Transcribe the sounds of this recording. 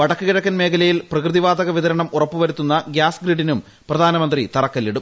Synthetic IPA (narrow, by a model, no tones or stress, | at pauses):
ʋɐɽɐkːɨɣiɽɐkːɐnme̞ːkʰɐlɐjilprɐkrɨðiʋaːd̪ɐɣɐʋiðɐɾɐɳɐmurɐpːuʋɐɾut̪ːunːɐɡjaːsɡɾiɖːinum | prɐd̪ʱaːnɐmɐnd̪rit̪ɐrɐkːɐlːiɽum